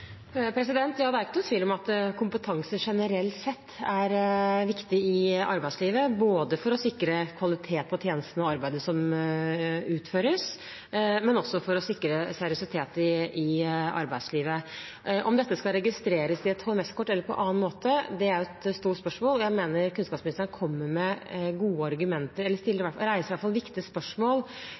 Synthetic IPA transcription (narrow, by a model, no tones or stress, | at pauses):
pʰɾɛsɪd̪ɛnt̪jɑːd̪ɛæɾɪkːənʊt̪ʋiːlɔmɑt̪kʰʊmpət̪ʰɑŋsəʂɛnəɾɛlt̪sɛt̪ʰːæɾʋɪkt̪ɪɪɑ̰ɾbæɪsliːʋəboːd̪əfɔɾɔsɪkɾəkʰʋɑlɪt̪ʰeːt̪̚pʰɔt̪ʰjeːnəst̪n̩ɔɑɾbæɪd̪əsɔm | ʉːt̪føːɾəs | mɛnɔsːɔfɔɾɔsɪkːɾəsæɾɪʊsɪt̪ʰeːt̪ɪɪɑ̰ɾbæɪsliːʋə | ʔɔmd̪ɛt̪ːəskɑlɾɛɡɪst̪ɾeːɾəsɪɛt̪hɔlmɛskʰɔʈːɛlːəɾpʰɔ̰ʔɑ̰ːnmoːt̪əd̪ɛæɾjʊɛt̪st̪uːʈspœʂmoːlɔjæɪmeːnəɾkʰʉnskɑːpsmɪnɪst̪ɾənəkʰɔmːəmɛɡuːəɑɾɡʉmɛnt̪əɾɛlːəʂt̪ɪlːəɾɪʋæʈɾæɪsəɾʋæʈfɑlʋɪkt̪ɪəspœʂmoːl